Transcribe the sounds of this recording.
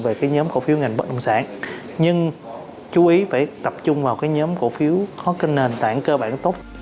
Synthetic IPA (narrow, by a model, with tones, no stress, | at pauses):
ve˨˩kaː˨˦jɲɔː˨˦mkṵ˧˩fi˨˦əwŋa˨˩jŋ̟ɓə˦˥ʔə̰˧˨wŋ͡msa̰ː˧˩˨n | ɲɨ˧ŋ | t͡ɕu˨˦ʔi˨˦faː˧˩jt̪ə˨˩p̚t͡ɕʊ˧ŋ͡mvaː˨˩wkaː˨˦jɲɔː˨˦mku˧˩fi˨˦əwkɔ˨˦kə˧ne˨˩nt̪a̰ː˧˥˨ŋkəː˧ɓaː˧˩˨nt̪o˦˥p̚